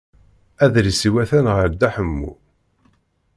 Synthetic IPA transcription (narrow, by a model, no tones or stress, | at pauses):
æðɾisiwæθænʁəɾd̪æħəmːṵ